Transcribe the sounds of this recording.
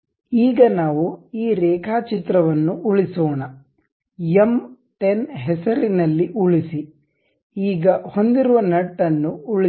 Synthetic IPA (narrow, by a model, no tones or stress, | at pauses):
iːɡɐnaːʋuiːɾɛːkʰaːt͡ʃit̪ɾɐʋɐnːuʔuɭisɔːɳɐ | jem | ʈenɦɛsɐɾinɐlːiʔuɭisi | iːɡɐho̞nd̪iɾuʋɐnɐʈːɐnːuuɭi